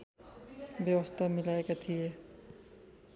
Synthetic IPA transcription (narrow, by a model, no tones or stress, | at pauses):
bjʌwəst̪ʰamɪlaekat̪ʰije